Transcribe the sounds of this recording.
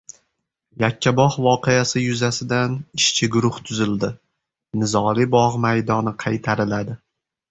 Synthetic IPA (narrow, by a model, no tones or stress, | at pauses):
jakʲʰːabɒhvɒqʰeasɪjʊzasɪd̪anɪʃt͡ʃʰɪɡʊɾʊht̪ʰʊzɪld̪ɪ | nɪzɒlɪbɒʁmajd̪ɒnɪqʰɑjt̪ʰaɾɪlad̪ɪ